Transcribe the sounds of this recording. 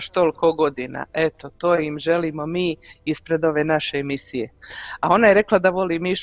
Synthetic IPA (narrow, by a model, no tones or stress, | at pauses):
ʃt̪olikoɡo̞d̪ina̰et̪o̞t̪oːjimʒe̞liːmo̞miːispɾe̞d̪o̞ʋe̞ːnaʃe̞ːmisije̞ao̞najeɾe̞klˠad̪aʋo̞liːmiʃ